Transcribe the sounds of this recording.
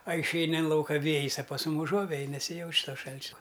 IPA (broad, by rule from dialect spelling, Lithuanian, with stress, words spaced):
ɐ ɪʃʲˈɛɪnʲɪ ɪn ˈlˠɐʊkɐ ˈʋʲeːjɪs ɐ pɐs ˈmʊm ʊˈʒuɔʋʲɛj nʲɛsʲɪˈjɛʊt͡ʃ ˈtoː ˈʃɐlʲt͡ʃʲɛ